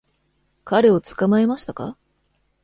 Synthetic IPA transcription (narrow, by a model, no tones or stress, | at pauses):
kaɾe̞o̞t͡sɨ̥kamae̞maɕi̥t̪aka̰